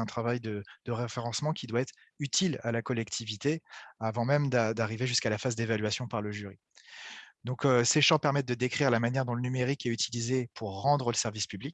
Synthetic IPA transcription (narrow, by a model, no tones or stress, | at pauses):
ɛ̃t̪χavajd̪əd̪̥əʁefeʁɑ̃smɑ̃kʲʰid̪waɛt̪χ | yt̪ʰilalakɔlɛkt̪ʰivit̪eavɑ̃mɛmd̪ad̪aʁiveʒyskalafazd̪evalɥasjɔ̃paʁləʒyʁi | d̪ɔ̃køseʃɑ̃pɛʁmɛt̪̚d̪əd̪ekχiʁlamanjɛʁd̪ɔ̃lənymeʁikɛyt̪ʰilizepuʁːɑ̃d̪ʁələsɛʁvispyblik̚ʲ